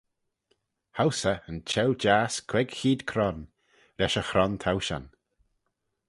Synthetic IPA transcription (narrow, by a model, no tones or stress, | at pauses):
hawsəənt͡ʃʰɛwd͡ʒaːskʰwɛɡxiːd̪kʰɾɔn | ɾɛʃəxɾɔnt̪ʰawʃa̰n